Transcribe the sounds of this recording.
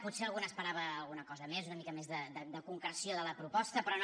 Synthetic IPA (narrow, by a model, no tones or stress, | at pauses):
put̪seəlˠɣunəspəɾaβ̞əːlˠɣunəkɔzəmezunəmikəmezðəd̪əd̪əkuŋkɾəsjoðələpɾupɔst̪əpɾɔn